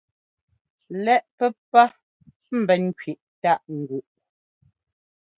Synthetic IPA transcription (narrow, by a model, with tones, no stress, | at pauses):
lɛ˦ʔpɛ˦pa˦ | m̩˨bɛ˨n̩˦kɥi˨ʔta˦˨ʔŋ̩˨ɡu˨ʔ